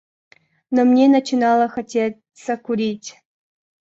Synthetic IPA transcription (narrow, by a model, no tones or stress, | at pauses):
nomnʲenɐt͡ɕinɑlˠəxɐtʲe | səkuɾʲitʲ